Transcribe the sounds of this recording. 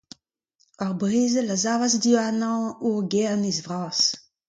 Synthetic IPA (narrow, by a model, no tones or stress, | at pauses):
aʁbʁeːzəlazaːvasdianɑ̃uʁɡɛʁnizvʁaːs